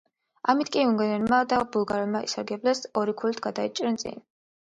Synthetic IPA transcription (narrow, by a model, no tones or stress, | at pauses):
amit̪ʰkʼiuŋɡɛnɛnmad̪abulˠɡaɾɛlˠmaḭsaɾɡɛblɛsɔɾikʰulit̪ʰɡad̪ait͡ʃʼɾɛnsʼḭn